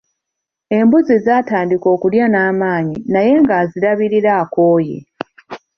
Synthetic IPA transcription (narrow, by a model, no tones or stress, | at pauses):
e̞mbuzizaːtaːndiko̞ːkuljanaːmaːɲinaje̞ŋɡaːziɾaβiɾiɾaːkoːjḛ